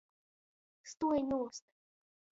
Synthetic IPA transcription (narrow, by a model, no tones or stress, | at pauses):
st̪ujnust̪̚